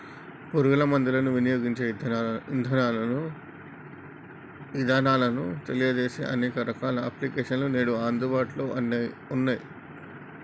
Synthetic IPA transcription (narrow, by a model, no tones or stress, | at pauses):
puɾuɡɐlɐmɐnd̪ilɐnuʋinijoːɡiɲt͡ʃeːind̪ʱɐnaːlɐnu | ʋid̪ʱaːnaːlɐnut̪elijɐd͡ʒeːsḛːʔɐneːkɐɾɐkaːlɐɐplikeːʂɐnluneːɽuaːnd̪ubaːʈlo̞ːʔɐnːa | unːaːjḭ